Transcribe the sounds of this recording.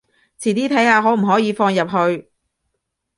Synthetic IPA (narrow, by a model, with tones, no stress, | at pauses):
t͡sʰiː˨˩t̪iː˥t̪ʰɐ˨˥jhaː˧ɦɔː˨˥m̩˨˩ɦɔː˨˥jiː˨˧fɔː˧ŋjɐ˨p̚ɦɵ˧ɥ